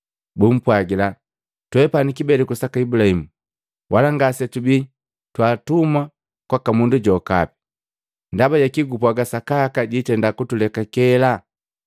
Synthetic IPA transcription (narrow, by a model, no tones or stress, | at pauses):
bum̩pwaɡila | twɛpanikibɛlɛkusakaibulahimu | wʔalaŋɡasɛtubi | twaːtuma | kwakamunduɟɔka̰pi̥ | ndabaɟakiɡupuaɡasakakaɟitɛndakutulɛkakɛla